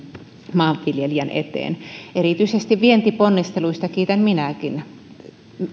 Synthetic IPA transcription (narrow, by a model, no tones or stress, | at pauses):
mɑːʋʋiljelijænʔḛt̪ḛːneɾiˑt̪yisest̪iʋʋient̪iponːist̪eluist̪ɑkiːt̪ænminækin